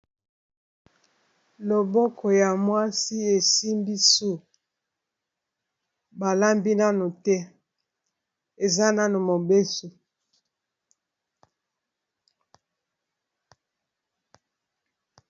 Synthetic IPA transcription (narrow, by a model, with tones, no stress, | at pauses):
lo˨bo˦kʰɔ˨ja˨mwa˦si˦e˨si˦mbi˦su˦˨ | ba˨la˦mbi˦na˦no˨tɛ˦ | e˨za˦na˦no˨mo˨be˦so˨